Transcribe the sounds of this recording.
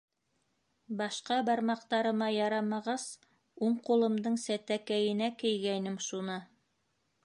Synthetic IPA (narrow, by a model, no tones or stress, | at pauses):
bɑʃqɑbɑɾmɑqt̪ɑɾɤ̆mɑjɑɾɑmɑʁɑs | uɴqulˠɤ̆md̪ɤɴsæt̪ækæjɘ̆nækɘ̆jɡænɘmʃunɤ